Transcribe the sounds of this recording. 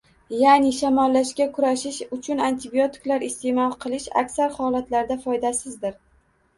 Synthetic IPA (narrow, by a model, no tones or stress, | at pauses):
janɪʃamɒlːaʃkʲakʰʊɾaʃɪʃʊt͡ʃʰʊnant̪ʰɪbio̞t̪ʰɪ̥klaɾɪst̪e̞mɒlˠqʰɨlˠɪʃa̰kʲsaɾhɒlˠat̪laɾd̪afɒjd̪asɪzd̪ɪɾ